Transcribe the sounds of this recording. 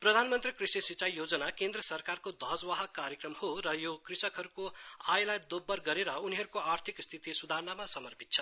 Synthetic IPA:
prʌd̪ʱanmʌnt̪rikrisisit͡sajjod͡zʌnakend̪rʌsʌrkarkod̪ʱʌɦd͡zwaɦʌkːaɾjʌkrʌmhoɾʌjokrisʌkɦʌɾukoajlajd̪obːʌrɡʌɾeɾʌuniɦʌɾukoart̪ʰikst̪ʰit̪isud̪ʱaɾnamasʌmʌrpʰit̪̚t͡sʰʌ

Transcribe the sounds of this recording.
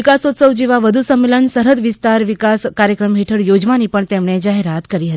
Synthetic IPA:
ikasot̪səwd͡ʑiʋaʋəd̪ʱusəmːeləɳsəɾət̪ʋist̪aɾʋikaskaɾjəkɾəmɦeʈʰəɽjod͡ʑʋaniːpəɳt̪emɳ̃ed͡ʑaɦeɾat̪kəɾiːɦət̪i

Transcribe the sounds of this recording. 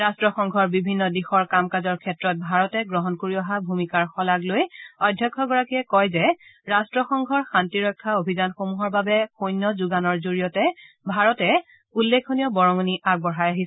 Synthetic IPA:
ɹastɹɔxɔŋɡʱɔɹbibʱinːɔdixɔɹkamkazɔɹkʰɛtɹɔt̚bʱaɹɔtɛɡɹɔɦɔnkoɹiɔɦabʱumikaɹxɔlaɡlojɔdʱjɔkʰːɔɡɔɹakiɛkɔjzɛɹastɹɔxɔŋɡʱɔɹxantiɹɔkʰːaobʱizanxomuɦɔɹbabɛxojnːɔzuɡanɔɹzoɹijɔtɛ | bʱaɹɔtɛ | ulːekʰːonijɔbɔɹɔŋoniʔaɡ̚bɔɹajaɦis

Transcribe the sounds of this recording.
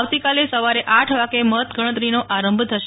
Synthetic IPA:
ʋt̪ikalesəʋaɾeʔaʈʰʋaɡemət̪ɡəɽ̃ət̪̬ɾinoʔaɾəmbʱt̪ʰəʃ

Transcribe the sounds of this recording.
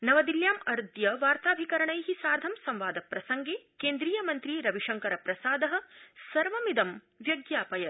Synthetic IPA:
nɐʋɐd̪iljaːmɐɾd̪jɐʋaːɾt̪aːbʱikɐɾɐɳɐjɦisaːɾd̪ʱɐmsɐmʋaːd̪ɐpɾɐsɐŋɡeːkeːnd̪ɾiːjɐmɐnt̪ɾiːɾɐʋiʂɐŋkɐɾɐpɾɐsaːd̪ɐɦɐ̆sɐɾʋɐmid̪ɐm | ʋjɐɡjaːpɐjɐ

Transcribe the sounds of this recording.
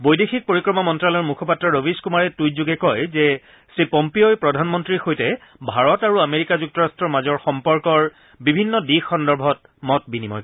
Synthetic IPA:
bojdexʰik̚poɹikɹɔmɔmɔntɹalɔɹmukʰɔpatɹɔɹobiskumaɹɛtujzuɡɛkɔjzɛ | sipɔmpiojpɹɔdʱanmɔntɹixojtɛbʱaɹɔtaɹuameɹikazuk̚tɔɹastɹɔɹmazɔɹxɔmpɔɹkɔɹ | bibʱinːɔdixɔndɔɹbʱɔt̚ | mɔt̚binimɔ̰j

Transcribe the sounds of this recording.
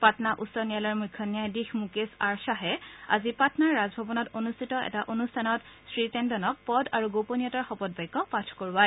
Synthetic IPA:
patnaʔusɔnijalɔɹmukʰːɔnjajdixmukesaɹsaɦɛa̰zipatnaɹːazbʱɔbɔnɔtonustʰitɔɛ̰taʔonustʰanɔtsɹitɛndɔnɔk̚pɔdaɹuɡoponijɔtaɹxɔpɔd̚bajkːɔpatʰkoɹwaj

